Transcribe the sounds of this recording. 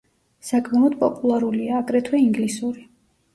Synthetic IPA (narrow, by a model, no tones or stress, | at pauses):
sakʼmlˠɔd̪̚pʼɔpʼulˠaɾuliaːkʼɾɛt̪ʰwɛiŋɡlisuɾi